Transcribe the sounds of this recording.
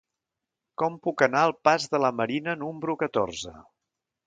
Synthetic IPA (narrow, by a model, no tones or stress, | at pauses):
kɔmpukənaəlˠpazðələməɾinənumbɾukət̪o̰rzə̰